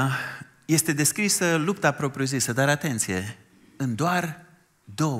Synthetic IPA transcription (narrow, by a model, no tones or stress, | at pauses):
je̞st̪e̞d̪e̞skɾisəlupt̪apɾo̞pɾijuzisəd̪aɾat̪e̞nt̪sije̞ | ɨnd̪oar | d̪o̞